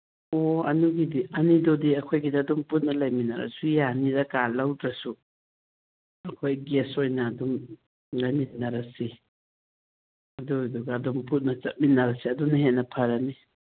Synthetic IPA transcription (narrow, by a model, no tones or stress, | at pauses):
oɐ̰nuɡidiʔɐnidodiɐkʰojɡidaːdumput̚nɐlɐjminɐɾɐ̰sujanidɐkalɐwdɾɐsu | ɐkʰojɡesojnɐːdum | lɐjminɐɾɐsi | ɐduduɡaːdumput̚nɐt͡ʃɐt̚minːɐɾɐsiɐdunɐɦetnːɐpʰɐɾɐni